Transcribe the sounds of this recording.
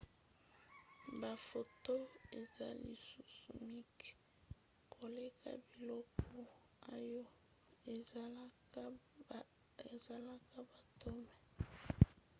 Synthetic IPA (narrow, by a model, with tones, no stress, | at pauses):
ba˨fo˨to˦e˨za˦lḭ˨su˦su˨mi˦k | kʰo˨le˦kʰa̰˦bi˨lɔ˦kʰɔ˨ | a˦jo˦ | e˨ | e˨za˨la˦ka˦ba˨to˦mɛ˨